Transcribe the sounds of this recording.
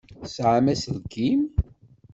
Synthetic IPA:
sʕamæsəlɡim

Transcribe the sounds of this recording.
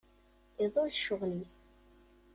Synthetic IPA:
iðˤolʃːʊʁlis

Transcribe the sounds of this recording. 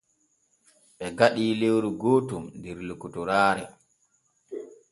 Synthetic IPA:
ɓɛɡaɗiːlewɾuɡoːtumndɛɾlukutuɾaːɾɛ

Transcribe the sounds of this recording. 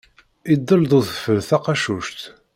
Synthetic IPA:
id̪ˤːəlðˤʊθə̥fəlθɑqɑʃuʃt̪

